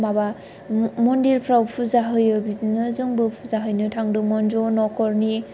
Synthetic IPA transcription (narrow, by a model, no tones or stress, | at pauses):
maba | mɔndiɾpʰɾawpʰuzaɦɯjɯbizinɯzɯŋbɯpʰuzaɦɯjnɯtʰaŋdɯmɔnzɔnɔkɔɾni